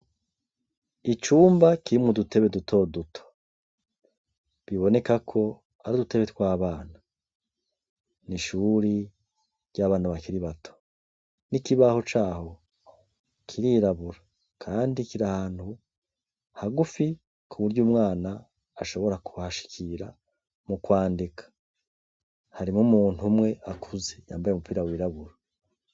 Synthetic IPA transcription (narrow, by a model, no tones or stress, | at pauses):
it͡ʃuːmbakiɾimŋudutʰe̞βedutʰo̞dutʰo̥ | βiβo̞ne̞kakʰo̞ | aɾudute̞βe̞tkwaːβaːna | niʃuːɾi | ɾɟaβaːn̥huβakiɾiβatʰo̥ | nikiβaho̞t͡ʃaːho̞ | kʰiɾiɾaβuɾa | kʰaːndikiɾahaːn̥hu | haɡufi | kʰuβuɾɟuːmŋaːnaː | ʃo̞βo̞ɾakuhaʃi̥kʰiɾa̰ | mukwaːndikʰḁ | haɾimŋumuːn̥humŋe̞ʔakʰuzeja̰ːmbajemupiːɾawiːɾaβuɾa